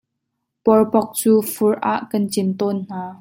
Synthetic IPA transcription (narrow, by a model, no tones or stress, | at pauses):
pɔɹpɔk̚t͡suːfʊɹʔaːʔkɐnt͡sɪnt̪ɔnn̥aː